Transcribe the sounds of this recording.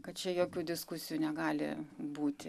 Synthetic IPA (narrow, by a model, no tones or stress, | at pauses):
kɐt̪t͡ʃʲɛjoːkʲuːd̪ʲɪskʊsʲɪjuːnʲɛɡɑːlʲɪ̰buːt̪ʲɪ